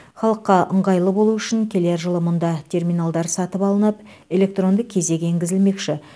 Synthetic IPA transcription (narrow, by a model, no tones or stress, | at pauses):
χɑlˠəqːɑʔəɴʁɑjlˠəbo̞lˠuʏʃɪŋkʲʰe̞leɾʒəlˠəmʊnd̪ɑt̪ʲʰe̞rmijnalˠd̪ɑɾsɑt̪əpɑlˠənəp̚ | e̞lʲe̞k̚t̪ro̞nd̪əkʲʰe̞ze̞kʲeŋɡʲɪzɪlme̞kʃɪ